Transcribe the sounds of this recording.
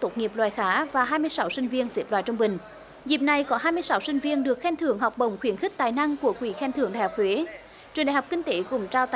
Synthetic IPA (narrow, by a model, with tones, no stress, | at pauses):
t̪o˦˥t̚ŋi˨˩əp̚lwaː˨˩jxaː˨˦vaː˨˩ɦaː˧jmɨ˧əjsa˨˦wsï˧ŋ̟vi˧ənze˦˥p̚lwaː˨jt͡ɕə˧wŋ͡mɓï˨˩ŋ̟ | zi˨˩p̚na˨˩jkɔ˨˦ɦaː˧jmɨ˧əsa˨˦wsï˧ŋ̟vi˧ənɗɨ˨˩ək̚xɛ˧nt̪ʰɨ˧˩əŋɦɔ˨˩wk͡p̚ɓə˨˩wŋ͡mxwi˨˦ənxi˦˥k̚t̪aː˨˩jna˧ŋku˧˩əkwi˧˩xɛ˧nt̪ʰɨ˧˩əŋɗaː˨˩jhɔ˨˩k͡p̚hwe˨˦ | t͡ɕwənɗaː˨˩ɦk͡p̚ki˧ŋ̟t̪e˨˦kʊ̰˧˩ŋ͡mt͡ɕaː˧wt̪